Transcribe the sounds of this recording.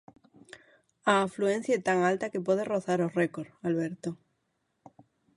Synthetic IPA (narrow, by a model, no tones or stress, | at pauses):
aːfluẽn̟θjaet̪aŋalt̪akepwoðeroθaɾorekoɾalβeɾt̪o